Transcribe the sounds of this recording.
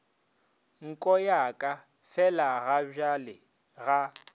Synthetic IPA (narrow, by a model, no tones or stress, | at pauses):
ŋ̩kʼɔjakʼa | fɛlaɣaʒalɪ | ɣa